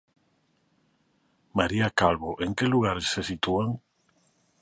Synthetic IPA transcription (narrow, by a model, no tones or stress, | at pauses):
maɾiakalβoʔeŋkeluɣ̞aɾesːesit̪uaŋ